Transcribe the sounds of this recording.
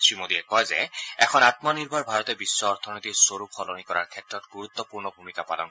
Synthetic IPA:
tɹimod̪iɛkɔjzɛ̰ɛkʰɔnat̪mɔniɹbʱaɹbʱaɹɔt̪ɛbisːɔːɹt̪ʰɔnot̪isoɹupʰɔlonikɔɹa̰ɹkʰɛtɹɔtɡuɹut̪ːɔpuɹnɔbʱumikapalɔ̰n

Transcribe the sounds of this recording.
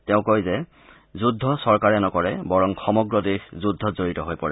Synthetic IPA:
tɛʊ̃kojzɛ | zudʱːɔsɔɹkaɹɛnɔkɔɹɛbɔɹɔŋxɔmɔɡɹɔdexzudʱːɔzoɹitɔɦojpɔɹɛ

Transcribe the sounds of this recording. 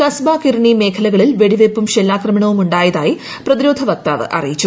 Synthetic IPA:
kɐsbaːkiɾɐɳime̞ːkʰɐlɐɣɐɭilʋe̞ɽiʋepːumɕelːaːkrɐmɐɳɐʋumuɳɖaːjɐðaːji | prɐðiɾo̞ːd̪ʱɐʋɐk̚t̪a̰ːʋɨ̰ʔɐ̰rijit͡ɕːu

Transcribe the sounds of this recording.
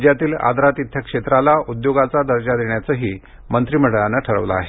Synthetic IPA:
d͡ʑjat̪iːla̰d̪ʱɾat̪it̪ʰjəkʂet̪ɾalaud̪joɡat͡sad̪əɾd͡ʑad̪eɳjat͡səɦiː | mənt̪ɾiːməɽəɭanːaʈʰəɭəʋla̰ːɦe

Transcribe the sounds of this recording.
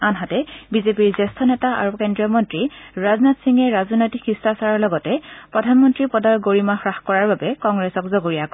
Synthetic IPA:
anɦatɛbizepiɹzɛstʰɔnɛtaʔa̰ɹukendɹijɔmɔntɹiɹaznatsiŋɛɹazɔnojtikɹistasaɹɔɹlɔɡɔtɛpɹɔdʱanmɔntɹipɔdaɹɡoɹimaxɹaxkɔɹaɹbabɛkɔŋɡɹɛsɔkzoɡoɹijak

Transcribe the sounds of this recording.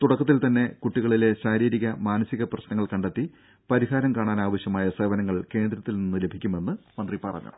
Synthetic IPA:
t̪uɽɐkːɐt̪̬ːilt̪ɐnːe̞kuʈːiɣɐɭile̞ɕaːɾiːɾiɣɐmaːnɐsiɣɐprɐɕnɐŋːɐɭkɐɳɖet̪ːi | pɐɾiɦaːɾɐmkaːɳaːnaːʋɐɕjɐmaːjɐseːʋɐnɐŋːɐɭke̞ːnd̪ɾɐt̪ːilninːɨle̞bʱikʲːume̞nːɨmɐnd̪ripɐrɐ̰ɲːṵm

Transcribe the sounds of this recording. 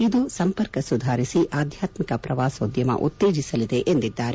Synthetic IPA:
id̪usɐmpɐɾkɐsud̪ʱaːɾisiʔaːd̪ʱjaːt̪mikɐpɾɐʋaːsod̪jɐmɐ̰ʔṵt̪ːeːd͡ʒisɐlid̪e̞ʔend̪id̪ːaːɾe

